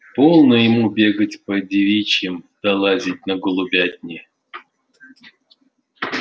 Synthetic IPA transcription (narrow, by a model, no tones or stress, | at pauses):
polˠnəjɪmubʲeɡətʲpədʲɪvʲit͡ɕjɪmd̪̥ɐlˠazʲitʲnɐɡʊlˠubʲat̚ʲnʲɪ